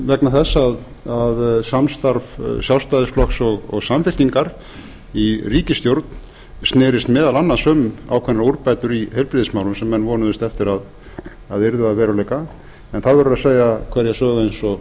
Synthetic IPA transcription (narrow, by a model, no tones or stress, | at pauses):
vɛknaθɛsːað | aðsamst̪aɾvsjawst̪ajðɪsflɔksɔɣɔ̰ɣsamfɪl̥t̪iŋkaɾ | iriːcɪst̪jowɾt̪n | st̪nɛːɾɪst̪mɛːðalanːaðsœːmʏa̰wkʰvɛnːaɾuɾpajt̪ʏɾihɛjlpɾɪðɪsmawlʏmsɛmːɛnːvɔːnʏðʏst̪ɛft̪ɪɾað | aðɪɾðʏaðvɛːɾalejka | ɛnθaðvɛɾʏɾaseːjɣakʰv̥ɛɾjɛsœːɣaejnsɔ